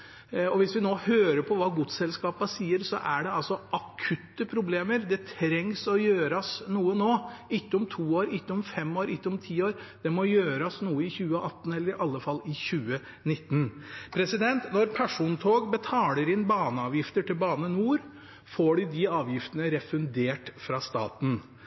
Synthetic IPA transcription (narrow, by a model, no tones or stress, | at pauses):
ɔʋɪsʋɪnoːhøːɾəpʰɔʋɑːɡuːd̪sɛlskɑːpɑsiːəɾsɔ̰ʔæɖɛɑlsɔʔɑkʰʉt̪ːəpʰɾʊbleːməɾd̪ɛt̪ʰɾɛŋsɔjøːɾɑsnuːənoːɪkːəʊmt̪ʰuːoːɾɪkːəʊmfɛmːoːɾɪkːəʊmt̪ʰiːoːɾ | d̪̥ɛmɔjøːɾɑsnuːəɪçʉːəʔɑt̪ːn̩ɛlːəɾɪʔɑlːəfɑlːɪçʉːə | nɪt̪ːnpʰɾɛsɪd̪ɛnt̪nɔɾpʰæʂuːnt̪ʰoːɡbət̪ʰɑːləɾɪnbɑːnəɑːʋjɪft̪əʈʰɪlbɑːnənuːɾ | foːɖɪd̪ɪɑːʋjɪft̪ənəɾɛfʉnd̪eːʈfɾɑst̪ɑ̰ːt̪n̩